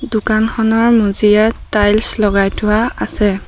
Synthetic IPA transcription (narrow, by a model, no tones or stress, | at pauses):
dukanxɔnɔɹmuzijatajlslɔɡajtʰʊwaasɛ